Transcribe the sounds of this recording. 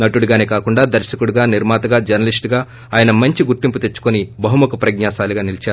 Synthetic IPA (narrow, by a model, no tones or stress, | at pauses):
nɐʈuɽuɡaːneːkaːkuɳɖaːd̪ɐɾʃɐkuɽuɡaːniɾmaːt̪ɐɡaːd͡ʒɐɾnɐlisʈɡaː | aːjɐnɐmɐɲt͡ʃiɡuɾt̪imput̪e̞t͡ʃːu̥konibɐɦumukɐpɾɐɡ̚ɲaːʃaːluɡaːnilit͡ʃaːɾu